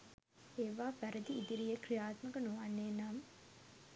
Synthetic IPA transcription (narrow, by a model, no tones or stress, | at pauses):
eːʋaːfæɾəd̪iːd̪iɾijekrijaːt̪məkənuʋanːeːnam